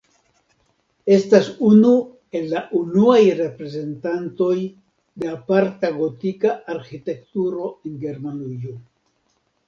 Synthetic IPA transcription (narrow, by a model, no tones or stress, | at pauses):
e̞stasunu | e̞lːaʔunuajɾe̞pɾe̞ze̞ntanto̞j | deapaɾtaɡo̞tikaʔaɾxite̞ktuɾo̞e̞nɡe̞ɾmanujo